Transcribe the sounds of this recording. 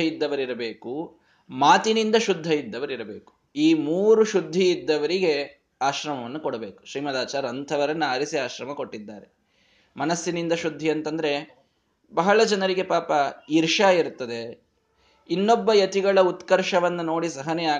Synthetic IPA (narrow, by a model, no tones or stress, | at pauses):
ɐid̪ːɐʋɐɾiɾɐbeːku | maːt̪inind̪ɐʃud̪ʱːɐjid̪ːɐʋɐɾiɾɐbeːku̥ | iːmuːɾuʃud̪ʱːiːd̪ːɐʋɐɾiɡe̞ | aːʃɾɐmɐʋɐnːukoɽɐbeːku̥ʃɾiːmɐd̪aːt͡ʃaːɾɐnt̪ʰɐʋɐɾɐnːuɐɾisiaːʃɾɐmɐko̞ʈːid̪ːaːɾe | mɐnɐsːjinind̪ɐʃud̪ʱːiɐnt̪ɐnd̪ɐɾe̞ | bɐɦɐɭɐd͡ʒɐnɐɾiɡe̞paːpɐiɾʂaiɾt̪ːɐd̪e̞ | inːobːɐjɐt̪iɡɐɭɐut̪kɐɾʂɐʋɐnːɐno̞ːɽisɐɦɐneaː